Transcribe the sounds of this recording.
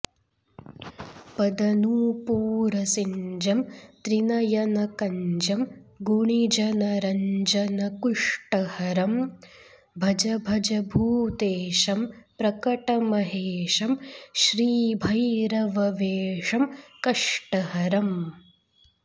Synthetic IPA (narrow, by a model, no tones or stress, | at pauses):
pɐd̪ɐnuːpuːɾɐsiɲd͡ʒɐmt̪ɾinɐjɐnɐkɐɲd͡ʒɐm | ɡuɳid͡ʒɐnɐɾɐɲd͡ʒɐnɐkuʂʈɐhɐɾɐm | bʱɐd͡ʒɐbʱɐd͡ʒɐbʱuːt̪eːʃɐmpɾɐkɐʈɐmɐɦeːʃɐmʃɾiːbʱɐjɾɐʋɐʋeːʂɐmkɐʂʈɐɦɐɾɐm